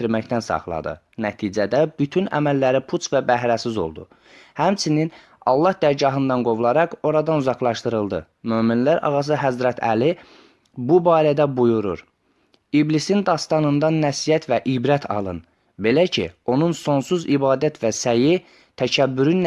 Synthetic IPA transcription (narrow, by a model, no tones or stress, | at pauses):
iɾmæçt̪ænsɑ̰χlˠɑ̰d̪ɯ̰ | næt̪ʰiːd͡ʒæd̪æb̥yt̪ʰynæ̰mælːæɾipʰut͡ʃvæbæɦɾæsizo̞̰lˠd̪ṵ | hæmt͡ʃʰinin | ɑ̰lˠːɑhd̪æɾɟɑɦɯnd̪ɑnɡo̞vlˠɑɾɑqo̞ɾɑd̪ɑnuzɑχlˠɑʃt̪ɯɾɯlˠd̪ɯ | møːminlæɾʔɑ̰ɣɑs̬ɯɦæzɾæt̪ʰæ̰li | bubɑːɾæd̪æbujuɾṵɾ | iblisind̪ɑst̪ɑnɯnd̪ɑnæsijæt̪ʰvæʔibɾæt̪ʰɑ̰lˠɯ̰n | be̞læcʰḭo̞nunso̞nsuzibɑːd̪æt̪ʰvæsæji | t̪ʰæcʰæbːyɾyn